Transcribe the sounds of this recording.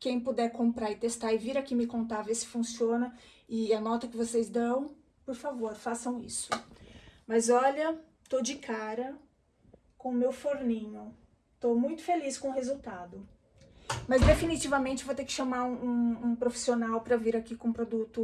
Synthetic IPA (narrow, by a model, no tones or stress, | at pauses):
kẽj̃pod̪ɛɾkõpɾaɾɪt̪est̪aɪviɾɐkĩmɪkõnt̪avesɪ̥fũsiõnɐɪanɔt̪ɐkɪvosejzd̪ɐ̃w̃ | poɾfavoɾfasɐ̃w̃ḭsʊ̥ | mɐzɔlɐ | t̪od͡ʒɪkaɾɐ | kõʊmewfoɾnĩɲʊ | t̪omũj̃t̪ʊ̥feliskõʊɦezuwt̪ad̪ʊ | mɐzd̪efinit͡ʃivɐmẽnt͡ʃɪvowt̪ekɪ̥ʃɐmaɾũũũpɾofi̥sionawpɾɐviɾakikõpɾod̪ut̪ʊ